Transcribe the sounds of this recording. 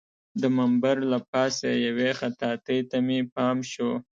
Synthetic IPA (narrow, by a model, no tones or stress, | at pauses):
d̪əmambaɾlapɑsajawexat̪ɑt̪əjt̪amipɑmʃo